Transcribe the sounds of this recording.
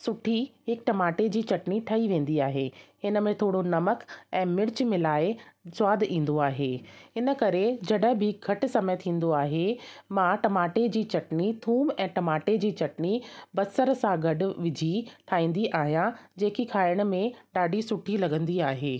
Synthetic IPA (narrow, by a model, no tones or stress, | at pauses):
sʊʈʰiɦɪk̚ʈɐmaːʈed͡ʑiːt͡ɕɐʈniʈʰɐiʋẽːn̆d̪iaːɦeːhɪnə̆mẽt̪ʰoːɽonɐməkɛ̃ːmɪɾt͡ɕmɪ̃laːɪswaːd̪ĩːn̆d̪oaːɦeːɦɪnə̆kɐɾed͡ʑɐɗəɦbʱɪɡʱɐʈɪ̆sɐmet̪ʰĩːn̆d̪oaːɦemãʈɐmaːʈed͡ʑiːt͡ɕɐʈnit̪ʰuːmɛ̃ːʈɐmaːʈed͡ʑiːt͡ɕɐʈnibɐsəɾsãɡʱɐɖ̆ʋɪd͡ʑʱit̪ʰaːĩːn̆d̪iʔaːɦijãd͡ʑeːkikʰaːɪəɽ̃̆mẽɗaːɖʱisʊʈʰilɐɡə̃nd̪iaːɦeː